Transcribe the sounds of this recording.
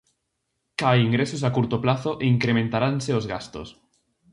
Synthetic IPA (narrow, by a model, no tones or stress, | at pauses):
kaiŋɡɾesos̬akuɾt̪oplaθoʔeiŋkɾemẽnt̪aɾanseozɣast̪o̰s